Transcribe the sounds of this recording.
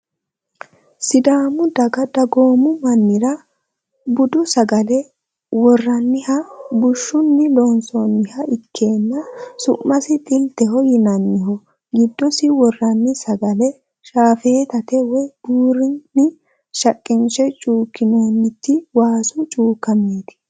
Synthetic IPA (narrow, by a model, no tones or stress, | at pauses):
sɪd̪aːmʊd̪ɐɡɐd̪ɐɡo̞ːmʊmɐnːɪɾɐ | bʊd̪ʊsɐɡɐlɛ | wɔrːɐnːɪhɐbʊʃːʊnːɪlonsɔnːɪhɐɪkʰːe̞ːnːɐsʊ̰mːɐsɪt̪ʼɪlt̪ɛɦɔjɪnɐnːɪɦɔ | ɡɪd̪ːɔsɪwɔrːɐnːɪsɐɡɐlɛ | ʃaːfe̞ːt̪ɐt̪ɛwɔb̥uːɾɪnːɪ | ʃɐkʼːɪnt͡ʃɛt͡ʃʼuːkːɪnoːnːɪt̪ːɪwaːsʊt͡ʃʼuːkːɐmiːd̪ɪ̥